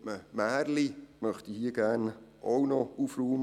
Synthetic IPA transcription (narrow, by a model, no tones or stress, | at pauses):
məmæːɾlimœχtihiəɡ̥æːnʔownɔufɾuːm